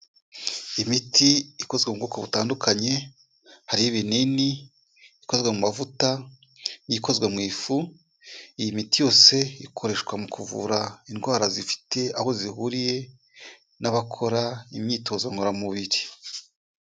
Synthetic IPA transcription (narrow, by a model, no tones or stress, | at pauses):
imitʰiiko̞zɡweubɡuːkoβutaːndukaɲe̞ | haɾiiβenini | iko̞zɡwemumavuta | jiko̞zɡwemŋiːfu | ijimitijo̞ːse̞ikʰo̞ɾe̞ʃkwamukʰuvṵɾainɡwaːɾazifi̥tʰe̞aho̞zihuɾije̞ | naβakʰo̞ɾaimɲiːtʰo̞ːzwaŋɡoɾamuβiɾi